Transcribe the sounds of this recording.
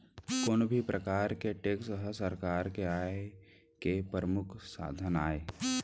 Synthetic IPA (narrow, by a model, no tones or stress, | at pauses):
koːnbʱipɾʔəkaːɾkeʈeːksɦəsəɾkaːɾkeaːe | kepɾəmʊkʰsa̰ːd̪ʱənaːeː